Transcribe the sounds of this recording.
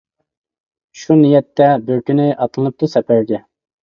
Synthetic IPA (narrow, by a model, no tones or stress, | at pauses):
ʃunijɛt̪ːɛbøɾkʲynɪʔɑt̪lɨnɨp̚t̪usɛpæɾɡʲɛ